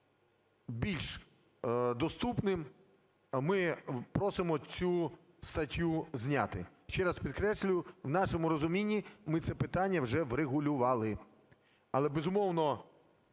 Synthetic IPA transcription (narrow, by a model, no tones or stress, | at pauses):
bʲilʲʃ | d̪ɔst̪upnɪm | mɪpɾɔsɪmɔt͡sʲu | st̪ɐtʲːuznʲa̰t̪ɪʃt͡ʃɛɾɑspʲid̪̚kɾɛsʲlʲʊjʊwnɑʃɔmʊɾɔzʊmʲinʲːimɪt̪sɛpɪt̪ɑnʲːɐwʒɛʋɾeɣʊlʲʊʋɑlˠɪ | ɐlˠɛbezʊmɔwnɔ